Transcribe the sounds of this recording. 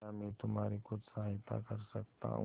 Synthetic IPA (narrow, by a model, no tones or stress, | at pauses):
amĩt̪ʊm̤aɾikʊt͡ʃsaɦɪt̪a̰kəɾsək̚t̪a̰